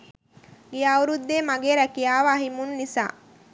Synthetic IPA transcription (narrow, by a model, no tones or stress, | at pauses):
ɡijːwɾud̪ːeːmaɡeːɾækijaːʋaːɦimunːisa̰ː